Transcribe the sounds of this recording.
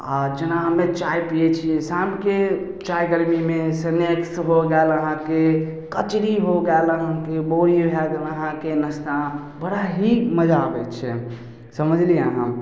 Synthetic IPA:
a̰d͡ʒenaɦəmet͡ʃajpijet͡ʃʰiɛ̃samke | t͡ʃajɡəɾmimesəneksɦoɡɛləɦãkekət͡ʃɾiɦoɡɛləɦãkeboɾibʱɛɡɛləɦãkenəst̪ã | bəɽaɦiməd͡ʒabɛt͡ʃʰɛ̰ | səməd͡ʒʱliəɦã̰

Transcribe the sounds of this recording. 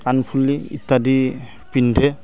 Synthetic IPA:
anpʰulːiḭtːadi | pindʱɛ

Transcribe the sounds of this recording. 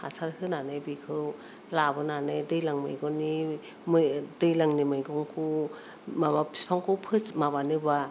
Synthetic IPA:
ha̰saɾhɯnanɯjbikʰɯw | labɯnanɯjdɯjlaŋmɯ̰jɡɔni | mɯdɯjlaŋnimɯjɡɔŋkʰu | mabapʰi̥spʰaŋkʰɯwpʰɯsmabanɯba

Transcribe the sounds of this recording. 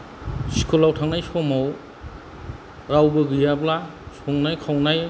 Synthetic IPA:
si̥kʰolawtʰaŋnajsomaw | ɾawbɯɡɯjablasoŋnajkʰawnaj

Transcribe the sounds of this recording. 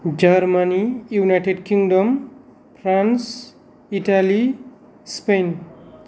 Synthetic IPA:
d͡ʒarmanijunajʈeɖkiŋɖʌm | pʰrans | iʈali | spejn

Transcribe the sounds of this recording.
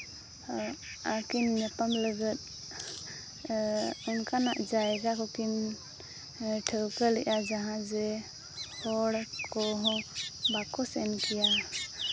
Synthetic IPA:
akinːəpamləɡət̪̚ | unkana̰ʔd͡ʒajɡakɔkin | ʈʰəwkəliʔad͡ʒaɦãzɛ | hɔɽkɔɦɔ̃bakɔsɛnkija

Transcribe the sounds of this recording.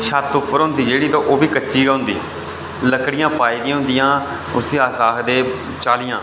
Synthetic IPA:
ʃat̪ʊpːəɾɦʊ̃nd̪iːd͡ʒeːɽiːt̪õːʔoːbiːkət͡ʃːʃiːɡaːɦʊ̃nd̪ḭː | ləkɽɪjãːpaːiːd̪ijãːɦʊ̃nd̪ɪjãː | ʊseːaːsaːkd̪eː | t͡ʃaːlɪjãː

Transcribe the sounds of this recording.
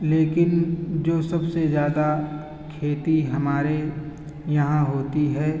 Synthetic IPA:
leːkɪnd͡ʒoːsɐbsezjaːd̪a | kʰeːt̪iɦɐmaːɾe | jɐɦãɦoːt̪iɦɛː

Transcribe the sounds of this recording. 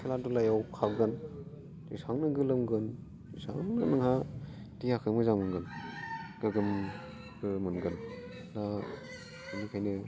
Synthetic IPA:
iladulajawkʰaɡɯn | isaŋnɯɡɯlɯmɡɯn | isa̰ŋnɯnɯŋha | tiakʰɯmɯzaŋmɯnɡɯnɡ̥ɯɡɯm | ɡɯmɯnɡɯn | da | ɯnikʰajnɯ

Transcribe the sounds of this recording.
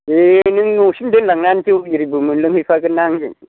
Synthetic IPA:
enɯŋnusimdenlaŋnantiwjiɾibɯmɯnlɯŋhipʰakɯnːaŋen

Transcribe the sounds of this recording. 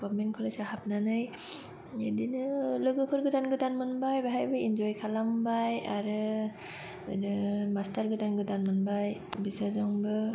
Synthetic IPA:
ɡɔmenkʰɔlajsaɦap̚nanɯj | edinɯlɯɡɯpʰɯɾɡɯdanɡɯdanmɯnbajbaɦajbajind͡ʒɔjkʰalambajaɾɯ | mastaɾɡɯdanɡɯdanmɯnbajbizazɔŋbɯ

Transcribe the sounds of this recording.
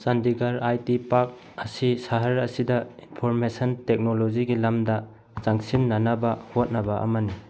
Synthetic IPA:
sandiɡaɾajtipak̚ | ɐsisaɦaɾɐsidɐinpʰoɾmesɐntek̚noloziɡilamdɐ | t͡ʃaŋsinːɐnɐbɐhot̚nɐbɐʔɐ̰mɐni

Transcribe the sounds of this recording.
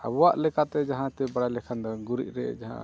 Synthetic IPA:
a̰bwaʔlɛkat̪ɛd͡ʒaɦãt̪ɛbaɽalɛkʰand̪ɔɡuɾḭʔ̚ɾɛ̰d͡ʒaɦã̰

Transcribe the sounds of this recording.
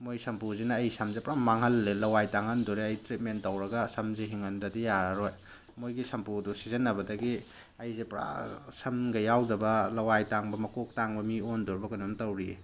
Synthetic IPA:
mojsɐmpuzinɐːjsɐmzepɾamːaŋɦɐlːelɐwajtaŋandoɾeɐjtɾit̚mentːɐwɾɐɡɐsɐmziɦiŋɐndɐdijaɾaɾoj | mojɡisɐmpudusizenːɐbɐdɐɡi | ɐjzepɾa̰sɐmɡɐjawdɐbɐlɐwajtaŋbɐmɐkok̚taŋbɐmiondɔɾbɐkɐnumtɐwɾi

